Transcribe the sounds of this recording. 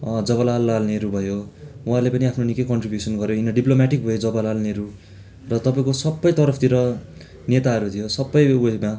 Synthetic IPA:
d͡zʌβʌlalːalneɾubʱʌjoũɦarlepʌniapʰnonikekʌɳʈribjusʌnɡʌɾjoinʌɖiplomaʈik̚bʱʌjod͡zʌbʌlalneɾu | rʌt̪ʌpaĩkosʌbːʌjt̪ʌɾʌpʰt̪iɾʌ | net̪aʌɾut̪ʰijosʌbːʌjuma

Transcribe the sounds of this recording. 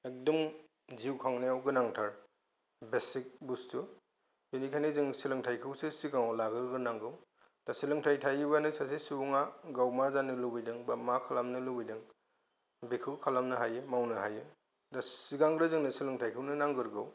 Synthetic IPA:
ek̚dɔm | ziwkʰaŋneawɡɯnaŋtʰaɾ | besik̚bustu | binikʰanizɯŋsilɯŋtʰajkʰɯwsɯsiɡaŋɔlaɡɯɾɡɯnaŋɡɯw | d̥asilɯŋtʰajtʰajbanɯsasesiuŋaɡawmazanɯlubijdɯŋbamakʰalamnɯlubijdɯŋ | bekʰɯwkʰalamnɯɦajɯmawnɯɦajɯ | dasiɡaŋɡɾɯzɯŋnɯsilɯŋtʰajkʰɯwnɯnaŋɡɯɾɡɯw

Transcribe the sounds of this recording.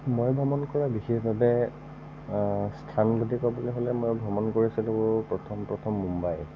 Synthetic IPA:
mojbʱɹɔmɔnkɔɹabixexbʱabɛ | stʰanɡudʱikabulɔɦolɛmojbʱɹɔmɔnkoɹisilobʊpɹɔtʰɔmpɹɔtʰɔmːumbaj

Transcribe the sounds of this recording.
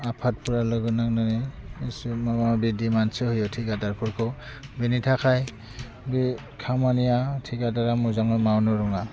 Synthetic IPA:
apʰat̚pʰuɹalɯɡɯnak̚naneesmamabidimansɯhujɔtʰikadaɹpʰuɹkʰɔ | binitʰakʰaj | bi | kʰamanijatʰikadaɾamuzaŋɔmawnɔɹɔŋa

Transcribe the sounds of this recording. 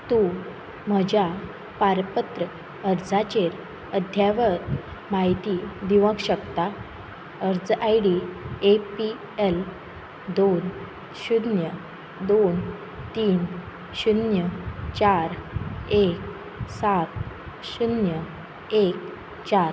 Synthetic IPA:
t̪ũ | m̤əd͡ʑja | paɾpət̪ɾə | əɾd͡zat͡ɕeɾ | əd̪ʱjaʋəɾmaɦit̪id̪iʋə̃kɕəkt̪a | əɾd͡zajɽiepi | el | d̪on | ɕud̪njə | d̪on | t̪iːn | ɕunjət͡ɕaɾek̚ | sat̪̚ | ɕunjə | ek | t͡ɕaɾ

